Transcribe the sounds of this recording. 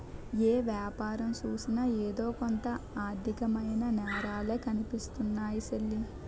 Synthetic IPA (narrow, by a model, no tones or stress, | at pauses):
eːʋjaːpaːɾɐmt͡ʃuːsinɐeːd̪o̞ːkont̪ɐaːd̪ʱikɐmɐjnɐnɛːɾaːleːkɐnipist̪unːaːjiselːi